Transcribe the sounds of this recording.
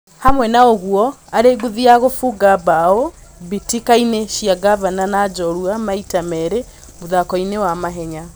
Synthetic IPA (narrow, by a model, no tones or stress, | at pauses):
hamwɛnaoɣuɔaɾeɡuðiaɣofuɡabaoβitikaineʃiaɡaβananad͡ʒɔɾuamaitamɛɾe | moðakɔinewamaɦɛɲa